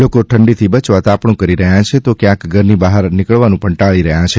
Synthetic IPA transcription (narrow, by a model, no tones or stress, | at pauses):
lokoʈʰəɳɖit̪ʰibət͡ʃʋat̪apɳũkəɾiɾəɦjãt͡ʃʰet̪okjãkɡʱəɾnibaɦəɾnɪkəɭʋanũpəɳʈaɭiɾəɦjãt͡ʃʰe